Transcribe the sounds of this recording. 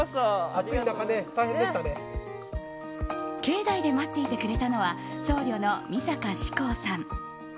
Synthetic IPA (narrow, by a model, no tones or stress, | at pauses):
at͡sɨinakanet̪aiɦendeɕt̪ane | ke̞ːd̪aid̪e̞mat̪ːe̞it̪e̞kɯɾe̞t̪ano̞βaso̞ːɾʲo̞no̞mʲisakaɕi̥ko̞ːsãŋ